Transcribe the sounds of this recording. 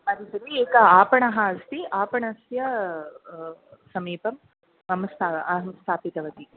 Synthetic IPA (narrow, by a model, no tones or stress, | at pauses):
ɐɾisɐɾieːkɐaːpɐɳɐɦɐɐst̪iʔaːpɐɳɐsjɐ | sɐmiːpɐm | ɐmst̪ʰaːɐɦɐmst̪ʰaːpit̪ɐʋɐt̪i